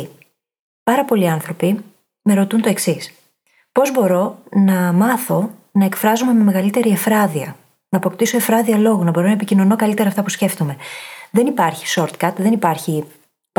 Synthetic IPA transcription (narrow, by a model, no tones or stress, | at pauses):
pɐɾɐpo̞liɐnθɾo̞pi | me̞ɾo̞t̪unt̪o̞e̞ksis | po̞zbo̞ɾo̞nɐmɐθo̞ | nɐekfɾɐzume̞me̞me̞ɣɐlit̪e̞ɾie̞fɾɐðiɐ | nɐːpo̞kt̪isoe̞fɾɐðiɐlo̞ɣonɐbo̞ɾo̞nɐepicino̞no̞kɐlit̪e̞ɾɐːft̪ɐpusce̞ft̪o̞me̞ðe̞nipɐɾçi̥so̞ɾt̪kɐt̪ðe̞nipɐɾçi | p